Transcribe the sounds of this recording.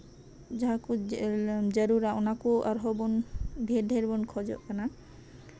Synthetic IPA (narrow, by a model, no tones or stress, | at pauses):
d͡ʒaɦaku | d͡ʒəɾuɾaɔnakua̰ɾɦɔbunbʱed̪ʱeɾbɔnkʰɔd͡ʒɔ̰ʔkana